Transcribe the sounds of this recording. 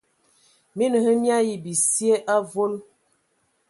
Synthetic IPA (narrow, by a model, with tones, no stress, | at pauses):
mi˦nə˨hə˦mja˦ji˨bi˨sje˦ʔa˦vo˦l